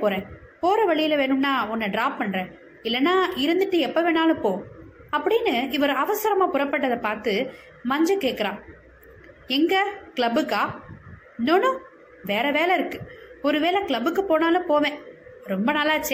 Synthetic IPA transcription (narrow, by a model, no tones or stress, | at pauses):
poːɾẽː | poːɾɐʋɐɭɪjɪlɐʋeːnɯmnaːɔnːɐɖɾaːpːɐɳːɾẽː | ɪlːɐnːaːɪɾɯnd̪ɯʈːɯɛpːɐʋeːnaːlɯ̃poː | ɐpːɐɽɪnːɯɪʋɐɾɐʋɐsɐɾɐmaːpʊɾɐpːɐʈːɐðɐpaːɾt̪ɯ | mɐɲd͡ʒɐkeːʈkːɐɾãː | ɛŋɡɐkɭɐbɯkːaː | nonʊ̃ | ʋeːɾɐʋeːlɐɪɾɯkːɯ̥ɔɾɯʋeːlɐkɪɭɐbɯkːɯpoːnaːlɯ̃poːʋẽːɾɔmbɐnɐlːaːɐt͡ʃːɛ